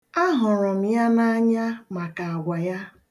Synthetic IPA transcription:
a˦ɦʊ˨ɾʊ˨m̩˨ja˦na˦ɲa˦ma˨ka˨ɡʷa˨ja˦

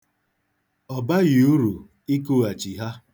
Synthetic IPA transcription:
ɔ˨ba˦ɣi˨u˦ɾu˨ | i˦ku˦˨a˨t͡ʃi˨ɦa˦

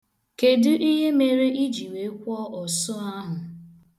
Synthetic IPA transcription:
ke˨dʊ˦ʔi˦ɦe˦me˨ɾe˦i˦d͡ʒi˨we˨˦kʷɔ˦ʔɔ˨sʊ˦a˦ɦʊ˨

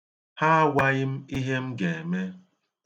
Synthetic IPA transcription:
ha˦wʷa˦ɣɪ˦m̩˦i˦ɦe˦m̩˦ɡe˨me˦

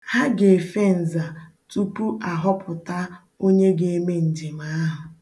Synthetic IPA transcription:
ha˦ɡe˨fe˦n̩˨za˨ | tu˦pu˦ʔa˨ɦɔ˦pʰʊ˨ta˦ | o˦ɲe˦ɡe˨e˦me˦n̩˨d͡ʒi˨ma˦ɦʊ˨

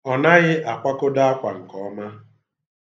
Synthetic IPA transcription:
ɔ˨na˦ɣɪ˦ʔa˨kʷa˦kʊ˦da˦a˦kʷa˨ŋ̩˨kɔ˨˦ma˦

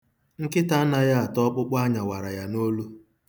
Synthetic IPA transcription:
ŋ̩˦kɪ˦ta˦na˨ja˦a˨tɔ˦k͡pʊ˦k͡pa˦ɲa˨wa˨ɾa˨ja˦no˦lu˦

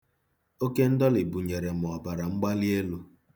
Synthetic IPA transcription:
o˦ke˦n̩˦dɔ˦lɪ˨bu˨ɲe˨ɾe˨m˨ɔ˨ba˨ɾa˨ŋ͡m̩˦ɡ͡ba˦li˦e˦lu˦

